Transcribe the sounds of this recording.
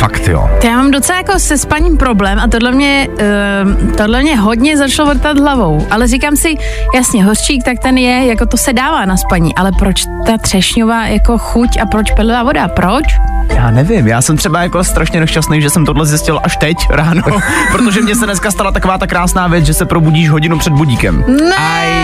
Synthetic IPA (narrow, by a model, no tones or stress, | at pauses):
fakt̪jo̰ːt̪jaːmaːmdot͡sɛlajako̞sɛspaɲimpɾo̞blɛːmat̪̬odlɛmɲɛ | t̪odlɛmɲɛɦodɲɛzat͡ʃlovod̚t̪ad̪ɦlavo̞wʔalɛrikaːmsɪ | jasɲɛɦo̞r̥t͡ʃiːk̚t̪ak̚t̪ɛnjɛjakot̪osɛdaːvaːnaspaɲḭːʔalɛpɾot͡ʃ | t̪at̪r̥ɛʃɲovaːjako̞xucapɾot͡ʃpɛlɪvaːvo̞dapɾʔot͡ʃjaːnɛvɪmjaːsɛmt̪r̥ɛbajakost̪ɾaʃɲɛnɛʃt͡ʃasnejʒɛsɛmt̪odlɛzjɪscɪlʔaʃt̪ɛcɾaːnopɾot̪oʒɛmɲɛs̬ɛdnɛskast̪alat̪akovaːt̪akːɾaːsnaːvjɛt͡sʒɛsɛpɾobuɟiːʃɦoɟɪnupr̝̥ɛd̪̚buɟiːkɛ̰mnɛ